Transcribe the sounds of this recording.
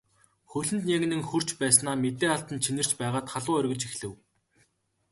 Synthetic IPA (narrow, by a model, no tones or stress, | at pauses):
xɵɮɘ̆nt̪njaɣɘ̆nɘ̆ŋxɵr̥t͡ɕpæːsnaːmet̪eːaɬt̪ə̆nt͡ɕʰinɘ̆r̥t͡ɕpæːʁaːt̪χaɮʊːœrʲɣʲɘ̆t͡ɕixɮɘ̆w